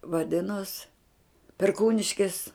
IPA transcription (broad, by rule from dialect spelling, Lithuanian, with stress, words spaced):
ʋɐˈdʲɪnoːs pʲɛrˈkuːnʲɪʃʲkʲɪs